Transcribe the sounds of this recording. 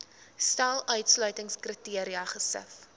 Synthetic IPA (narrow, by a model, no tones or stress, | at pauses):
stælˠœɥtslœɥtəŋskritiəɾiɐχəsə̰f